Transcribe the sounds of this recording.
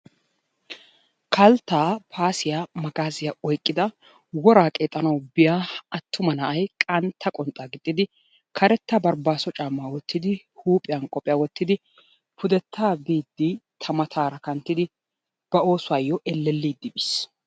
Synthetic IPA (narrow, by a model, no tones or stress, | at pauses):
kʰɐlt̪ːaːpʰaːsɪjamɐɡaːzɪjɐɔjkʼːɪd̪ɐ | wɔɾaːkʼeːt̪ʼːɐnɐwbɪjaɐt̪ʰːʊmɐnɐʔɐjkʼɐnt̪ʰːɐkʼɔnt̪ʼːaːɡɪt̪ʼːɪd̪ɪ | kʰɐɾɛt̪ːɐbɐɾbaːsɔt͡ʃʼaːmːaːwɔt̪ːɪd̪ɪ | huːpʼɪjɐnkʼɔpʼɪjaːwɔt̪ːɪd̪ɪ | pʰʊd̪ɛt̪ʰːaːbiːd̪ːɪt̪ʰɐmɐt̪ʰaːɾɐkɐnt̪ːɪd̪ɪ | b̥ɐo̞ːsʊwaːjːɔʔɛlːɛlːiːd̪ːɪbɪs